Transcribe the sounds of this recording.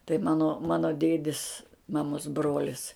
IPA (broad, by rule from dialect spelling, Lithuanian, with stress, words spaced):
tɐɪ ˈmɑːnoː ˈmɑːnoː ˈdʲeːdʲɪs mɐˈmoːs ˈbroːlʲɪs